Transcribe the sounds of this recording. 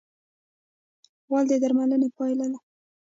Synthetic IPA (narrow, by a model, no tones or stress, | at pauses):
wɑld̪əd̪aɾmalənepɑjlad̪a